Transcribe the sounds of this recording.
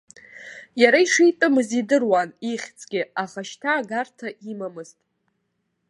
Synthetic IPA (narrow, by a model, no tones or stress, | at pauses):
jaɾaiʂijtʼɨmɨzidɨrwaniχʲt͡sʼɡʲɪaχaʃtʰaːɡartʰaʔimamɨztʼ